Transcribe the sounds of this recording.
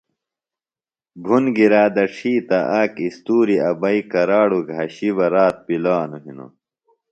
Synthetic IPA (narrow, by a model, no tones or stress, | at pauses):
bʱunɡiɾaːd̪ɐʈ͡ʂʰiːt̪ɐʔaːkist̪uːɾiɐbɐikɐɾaːɽuɡʱɐɕiβɐɾaːt̪̚pilaːnuɦino̰